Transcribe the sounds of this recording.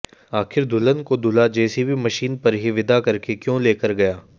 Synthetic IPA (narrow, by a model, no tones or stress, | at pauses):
aːxɪɾd̪ʱʊlənkod̪ʱʊlad͡ʒɛːsibʱimɐʃiːnpɐɾɦiʋɪd̪akɐɾkekjõːleːkəɾɡɐjaː